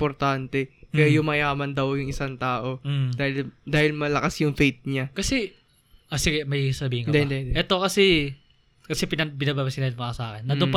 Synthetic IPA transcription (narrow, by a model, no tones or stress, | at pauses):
poɾt̪ant̪ɛkɐjajʊŋmɐjaːmɐnd̪ɐwjʊŋʔɪsaŋt̪aːʔo̞d̪aːhɪld̪aːhɪlmɐlɐkasjʊŋfejt̪̚ɲakɐsɛ | ʔɐsɪɡɛmɐjsɐbiːhɪŋkd̪ɛd̪ɛd̪ʔɛt̪o̞kɐsɛ | kɐsɛpɪnɐpɪnaːbaːbɐsɪnad̪mɐkɐsa̰ːkɛnːɐd̪ʊp